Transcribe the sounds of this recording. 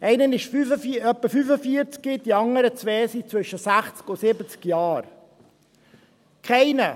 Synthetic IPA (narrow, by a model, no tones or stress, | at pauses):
ʔɛɪnənɪʃfyfəfiœpːəfyfəfiəɾt͡skid̥iɑŋəɾət͡sʋɛːsit͡svʏʃəsæχt͡skʊsɪbət͡skjɑːɾ | kʰɛɪnə